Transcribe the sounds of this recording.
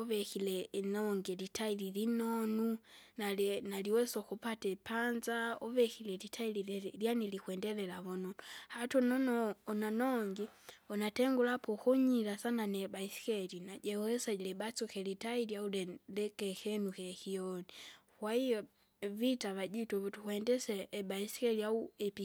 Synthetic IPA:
ɔβɛkilɛnɔŋɡɛlitailiɾinɔnunalnaliwɛsɔkupatɛpanzaɔβɛkilɛlitʰaililjanilikwɛndɛlɛlaβɔnɔnuhatɔnɔnɔːnanɔŋɡiɔnatɛŋɡulapɔkɔɲilasananɛbaisi̥kɛlinaɟɛɛsalɛbat͡sɔkɛlitailjaulɛlɛkɛkɛnukɛkijɔnikwaijɔ | vitaβaɟitɔβutukwɛndɛsɛʔːbaisi̥kɛliauɛpi

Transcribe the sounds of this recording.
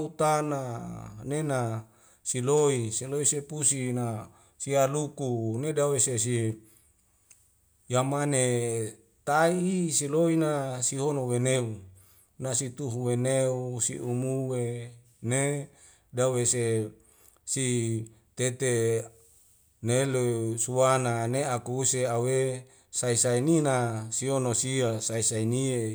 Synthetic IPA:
ut̪ananena | siloiseloisepusina | sialukunedaweses̬i | jamane | t̪aiːsiloinasiɦonoweneu | nasit̪uɦuweneusiʔumuwe | ne | dawese | sit̪et̪e | nelesuwananeakuuseawe | saisaininasiɦonosiasaisainie

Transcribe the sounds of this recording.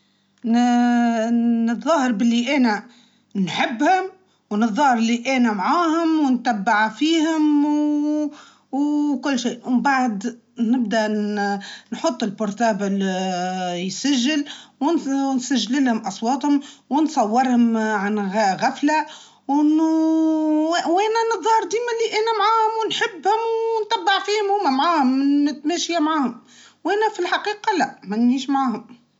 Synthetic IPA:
nɨt̪ðˤːɑːhɾbɪlːiʔæːnæ | nħɪbːhʊm | wnɨt̪ðˤːɑːhɾɪliʔæːnæmʕaːhʊmwnt̪æbːaʕfiːhʊm | wkʊlːʃiːʔwmbaʕd̪ | nɪb̚d̪æ | nħʊt̪ˤːɪlbʊɾt̪ɑːbʊl | jsæʒːɪlwnnsæʒːlɪlhʊmʔɑsˤwɑːt̪hʊmwnsˤɑwːɪɾˤhʊmʕanɣɣæfla | w | wʔæːnænɨðˤɑɾˤd̪iːmæliʔæːnæmʕaːhʊmwnħɪbːhʊmwnt̪æbːɪʕfiːhʊmhʊmːæmʕaːhʊmːɪnɪt̪mæːʃjamʕaːhʊm | wʔɛːnæfilħaqiːqɑlæʔmænːiːʃmʕaːhʊm

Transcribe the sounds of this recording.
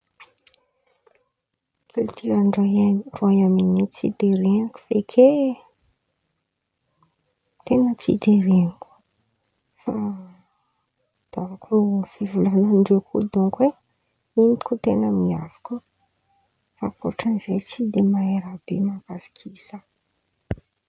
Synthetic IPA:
kʰult̪ʰiɾaɳɖ͡ʐaeruajaminit͡sḭd̪eɾeniku̥fekʰe | t̪enət͡sḭd̪eɾenikʲu̥ | fa | d̪̥avakʰuv̥ivulanaɳɖ͡ʐekʰud̪uŋkwe | inikut̪enəmiavḁku | fakoʈ͡ʂənizejt͡sid̪emaeɾab̥emavazi̥kʰisə

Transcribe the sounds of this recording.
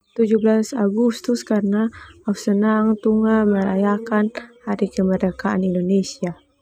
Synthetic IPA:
t̪ud͡ʒuhblasaɡust̪uskaɾənaausənaŋt̪uŋaməɾajakanhaɾikəməɾəkaʔa̰nindonesia

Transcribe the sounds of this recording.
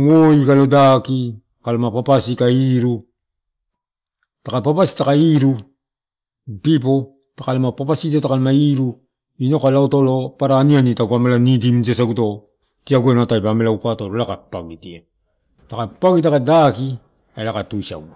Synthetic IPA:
ŋoikalo̞daki | kalomapapasikaiɾu | takapapasi̥takaiɾu | pip̬o̞ | takalomapapasitotakalomaiɾu | ino̞kalaotolopaɾanianitaɡuamelanidimd͡ʒesaɡuto̞ | tiaɡuenatajpamelaukatoɾolakapaɡitia | takapaɡit̬akadaki | elakatusa̰ɡu

